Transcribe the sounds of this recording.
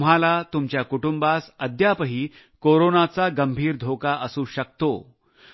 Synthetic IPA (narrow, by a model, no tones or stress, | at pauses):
m̤alat̪umt͡ɕjakuʈumbasəd̪ʱjapəɦiː | koɾonat͡saɡəmbʱiːɾd̪ʱokaʔəsuːɕək̚t̪o̰